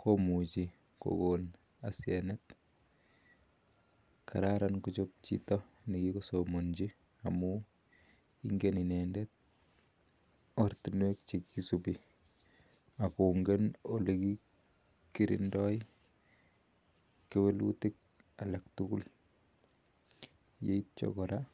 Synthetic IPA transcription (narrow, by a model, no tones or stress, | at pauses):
kʰomut͡ʃi | ko̰ɡon | asiɛnɛt | kʰa̰ɾaɾankut͡ʃop̚t͡ʃḭtɔ | nikikosomond͡ʒi | amu | iŋɡeninendɛt̚ | ɔrtunwek̚t͡ʃekisupi | akoŋɡenoleki | kiɾḭndɔi | kewelṵtik̚ | alak̚tukṵl | jeit̚t͡ʃo̰kɔɾa